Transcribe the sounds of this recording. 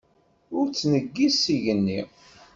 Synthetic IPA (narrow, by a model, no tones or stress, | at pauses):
ʊɾt͡sːnəɡːiziʝənːi